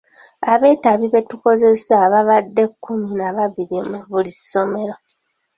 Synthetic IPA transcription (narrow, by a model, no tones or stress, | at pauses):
aβe̞ːtaβiβe̞tuko̞ze̞saβaβadːe̞kːuminaβaβiɾimuβuliso̞me̞ɾo̞